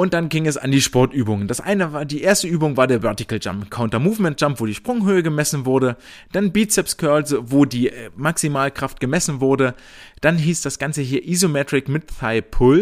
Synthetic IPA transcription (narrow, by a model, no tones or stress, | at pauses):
ʔʊnt̚d̥anɡɪŋɛsa̰ndiːʃpɔɐtʔyːbʊŋəndasʔa̰ɪnəvaːɐdiːʔeːɐstəʔyːbʊŋvaːɐdeːɐvœɐtɪkl̩d͡ʒa̰mpkʰaʊntɐmuːfmɛnt̚ʒ̥ampv̥oːɾiːʃpʁ̥ʊŋɦøːəɡəmɛsn̩vʊɐdə | d̥anbiːtsɛpsɡ̥ʰœɐlsvoːdiːmaksimaːlkʁ̥aftɡ̥əmɛsn̩vʊɐdə | d̥anɦiːsd̥asɡ̥ant͡səɦiːɐʔizomɛtʁ̥ɪkmɪtθaɪpʰʊl